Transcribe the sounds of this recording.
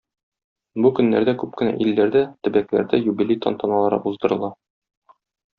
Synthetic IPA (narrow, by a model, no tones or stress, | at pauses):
bukɵ̆nːæ̰ɾd̪ækʉp̚kɘ̆næ̰ʔilːæɾd̪æt̪ɘ̆bæklæ̰ɾd̪æjubilʲit̪ʰo̰nt̪ɑnɑlˠɑɾɤ̰ʔuzd̪ɤ̆ɾɤ̆lˠɑ